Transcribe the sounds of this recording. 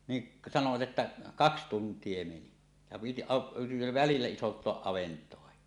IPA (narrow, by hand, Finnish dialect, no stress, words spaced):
niʔ sɑnoʋɑt etːæ kɑks tuntˑie meni jɑ piti ɑ ʋælilːæ isontˑoɑʔ ʔɑʋentˑoɑhi